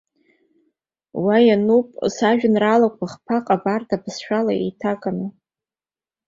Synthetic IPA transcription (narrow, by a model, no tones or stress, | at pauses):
wajanupʼsaʒᶣnralakʷʰaχpʰaqʼabartʰabsʃᶣala̰ḛjtʰakʼanɨ